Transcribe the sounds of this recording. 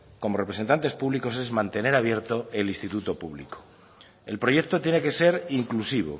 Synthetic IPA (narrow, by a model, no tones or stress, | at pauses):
ko̞mo̞repɾese̞nt̪ant̪e̞spuβliko̞se̞zmãnt̪e̞ne̞ɾaβje̞ɾt̪o̞elinst̪it̪ut̪o̞puβlḭko̥ | e̞lpɾo̞je̞k̚t̪o̞t̪jene̞ke̞se̞ɾiŋklusiβ̞o̰